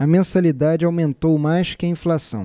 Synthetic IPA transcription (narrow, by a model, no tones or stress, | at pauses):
ɐmẽsalid̪ad͡ʒɪawmẽnt̪owmajskɪɐĩflasɐ̰̃w̃